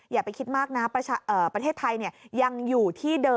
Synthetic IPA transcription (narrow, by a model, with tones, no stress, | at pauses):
jaː˨˩kpa˧jkʰi˦˥t̪̚maː˥˩k̚na˦˥pɾa˧t͡ɕʰaː˧ʔəː˨˩pɾa˧t̪ʰeː˥˩t̪ʰːa˧jni˥˩ɐja˧ŋjuː˨˩t̪ʰiː˥˩dɤː˧